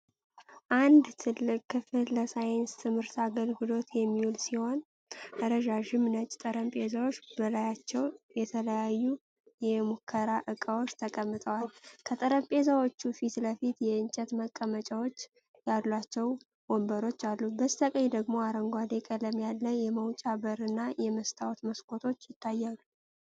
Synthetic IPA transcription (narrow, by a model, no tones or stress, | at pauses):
ʔand̪t̪ʰɨlːɨkʼːɨfɨlːəsajenst̪ʰɨmhɨɾt̪aɡəlɡɨlo̞t̪jɛmːiwulsiho̞n | ʔəɾəʒaʒɪmnət͡ʃʼt̪ʼəɾəmpʼezəwot͡ʃːbəlajat͡ʃːɛwjɛt̪ʰələjajːu | jɛmukʰːəɾaʔɨkʼəwo̞t͡ʃːt̪ʰəkʼəmːɨt̪ʼəwalkʰət̪ʼəɾəmpʼe̞zəwo̞t͡ʃːufit̪ləfit̪jɛɨnt͡ʃʼɛt̪məkʼːəmət͡ʃʼawot͡ʃː | jalːat͡ʃːɛw | wombəɾo̞t͡ʃːalːubəst̪ʰəkʼəɲd̪əɡmo̞aɾəŋɡʷad̪e̞kʼələmjalːəjɛməwt͡ʃʼabəɾɨnːajɛməst̪ʰawt̪məskʰʼo̞t̪ʰo̞t͡ʃːjɪt̪ʰːajːalu